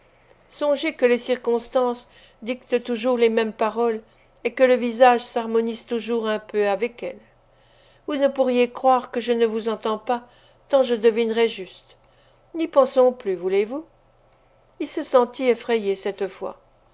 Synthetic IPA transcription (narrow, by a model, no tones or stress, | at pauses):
sɔ̃ʒekəlesiʁkɔ̃st̪ɑ̃s | d̪ikt̪ət̪uʒuʁlemɛmpaʁɔl | ekələvizaʒsaʁmɔnizt̪uʒuʁɛ̃pøavɛkɛl | vunəpuʁjekχwaʁkəʒənəvuzɑ̃t̪ɑ̃pa | t̪ɑ̃ʒəd̪əvinʁɛʒyst̪ | nipɑ̃sɔ̃plyvulevu | ilsəsɑ̃t̪iefχɛjesɛt̪fwa̰